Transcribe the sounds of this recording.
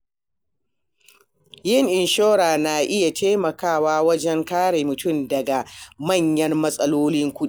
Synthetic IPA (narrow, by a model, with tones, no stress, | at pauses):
jɪ˦˨ŋʔɪ˨nʃoː˦ɾaː˨na˨ʔɪ˦ja˨tʰeː˦mɐ˨kaː˦˨waː˦wɐ˦d͡ʒɛ˦ŋkaː˦ɽeː˨mʊ˨tʊ˦˨mdɐ˨ɡa˨mɐ˦˨ɲjɐ˦rmɐ˦sʼɐ˦loː˦lɪ˦ŋkʷʊ˦ɗi˦˨